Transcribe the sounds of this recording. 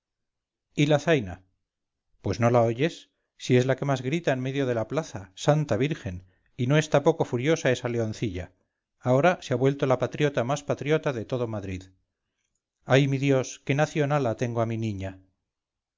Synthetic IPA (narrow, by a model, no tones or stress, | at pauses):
ilaθajna | pwe̞zno̞laoʝe̞sː | ie̞zlake̞mazɣɾit̪aenme̞ðjo̞ð̞e̞laplaθasant̪aβ̞iɾxe̞n | ino̞e̞st̪apoko̞fuɾjo̞sae̞saleo̞nθiʎaː | o̞ɾaseaβwe̞lt̪o̞lapat̪ɾjo̞t̪amaspat̪ɾjo̞t̪aðe̞t̪o̞ð̞o̞maðɾið | ajmiðjo̞ske̞naθjo̞nalat̪e̞ŋɡoaminĩɲa